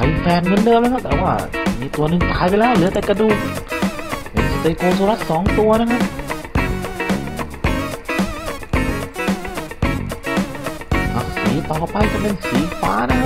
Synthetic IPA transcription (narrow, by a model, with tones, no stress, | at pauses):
a˨˧˩fɛː˧˩nŋɤ˧ndɤː˧mlkʰa˥t̪ɛː˨˩waː˧˥˩miː˧t̪u˧ɐnɯ˨˧ŋt̪aː˨˦jp̬e˧lɛː˥˩wlɯ˨˦t̪ɛː˨˩ka˧duː˧˩ | pḛ˧˩nsi˧˩t̪e˧koː˧s̬u˧la˦˥t̪̚sɔː˨˦ŋt̪u˧ɐna˧˥˩kʰa˥p̚ | ha˨˧˩siː˨˦t̪ɔ˨˩pa˧jt̪a˧˩pe˧nsiː˨˦faː˦˥na˧˥˧kʰa˥